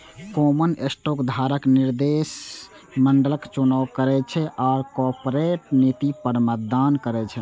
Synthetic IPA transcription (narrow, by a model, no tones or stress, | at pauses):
komənesʈokd̪ʱaɾəkniɾd̪es | məɳɖələkt͡ʃunawkəɾɛt͡ʃʰɛʔaːɾkoɾpɾeʈnit̪ipəɾmət̪̚d̪ankəɾɛt͡ʃʰɛ